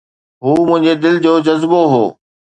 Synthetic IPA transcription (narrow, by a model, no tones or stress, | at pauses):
ɦuːmʊ̃ɦɪ̃ɲd͡ʑed̪ɪld͡ʑoːd͡ʑɐzboɦo̰ː